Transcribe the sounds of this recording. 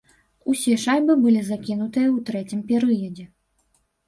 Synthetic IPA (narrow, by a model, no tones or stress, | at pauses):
usʲɛʂajʲbɨbɨlʲizakʲinut̪ɨjɐwt̪ɾɛt͡sʲimpʲɛɾɨjɐd͡zʲɛ